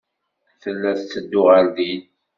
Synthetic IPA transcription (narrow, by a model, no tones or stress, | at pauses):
θəlːæθt͡sːəd̪ːʊʁəld̪in